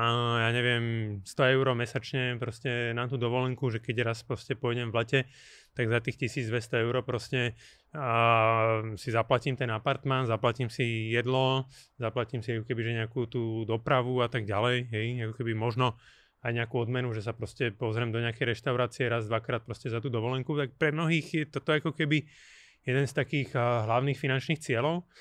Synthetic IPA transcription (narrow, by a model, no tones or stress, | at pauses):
jaːɲɛʋɪɛmst̪ɔɛʊɾɔmɛsat͡ʃɲɛpɾɔscɛnamt̪uːd̪ɔʋɔlɛŋkuʒɛkɛɟɾaspɾɔscɛpɔjɟɛmvlɛcɛ | t̪aɡzat̪iːxcisiːd͡zd̪ʋɛst̪ɔɛʊɾɔpɾɔscɛ | sizaplaciːmt̪ɛnapaɾt̪manzaplaciːmsijɛd̪lɔzaplaciːmsiakɔkɛbiʒɛɲɛakut̪uːd̪ɔpɾaʋuat̪aɡɟalɛjɦɛjakɔkɛbimɔʒnɔ | ajɲɛakuːɔd̪mɛnuʒɛs̬apɾɔscɛpɔzɾɛmd̪ɔɲɛakɛjɾɛʃt̪aʊɾaːt͡siɛɾazd̪ʋakɾaːt̪̚pɾɔscɛzat̪uːd̪ɔʋɔlɛŋkut̪ak̚pɾɛmnɔɦiːxjɛt̪ɔt̪ɔɛakɔkɛbi | jɛd̪ɛnst̪akiːɣɦlaʊniːxfinant͡ʃniːxt͡sɪɛlɔʊ